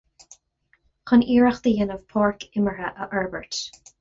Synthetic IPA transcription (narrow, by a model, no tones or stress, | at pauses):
xəniːɹəxd̪̥əjɪnəvpʰɔːɹkʰɪməɹəʔəʔɛɹbəɹt